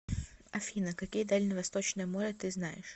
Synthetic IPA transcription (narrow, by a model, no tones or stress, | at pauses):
ɐfʲinəkɐkʲijəd̪alʲnəvɐst̪ot͡ɕnɨjəmoɾʲɛt̪ɨznajɪ̰ʂ